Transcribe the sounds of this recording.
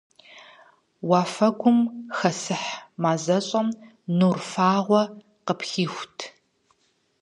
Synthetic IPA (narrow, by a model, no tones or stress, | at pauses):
waːfɐɡʷʊmxɐsɨħmaːzɐɕʼɐm | nuːrfaːʁʷɔ | qəpxiːxʷtʰ